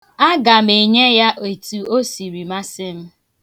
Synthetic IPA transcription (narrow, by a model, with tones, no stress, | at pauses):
a˦ɡa˨m̩i˨ɲe˦ja˦ʔe˨tu˨o˦si˨ɾi˨ma˦sɪ˦m̩˦